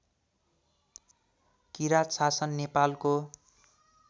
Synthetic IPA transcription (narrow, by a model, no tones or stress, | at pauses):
kiɾat̪sasʌnːepalko